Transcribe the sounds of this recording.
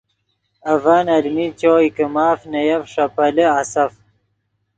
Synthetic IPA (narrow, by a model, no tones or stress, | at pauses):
ɐvaːnɐlmit͡ɕoːikəmaːfnɐjɐvʂɐpɐləasɐf